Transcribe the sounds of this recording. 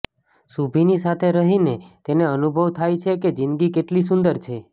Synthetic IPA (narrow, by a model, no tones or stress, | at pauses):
subʱinisat̪ʰeɾəɦinet̪eneənubʱəʋt̪ʰajt͡ʃʰeked͡ʒinɡikeʈlis̬und̪əɾt͡ʃʰe